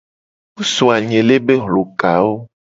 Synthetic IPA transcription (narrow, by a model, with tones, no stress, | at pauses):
wu˦su˨a˨ɲẽ˨le˦be˦ɦlo˨ka˨wo˦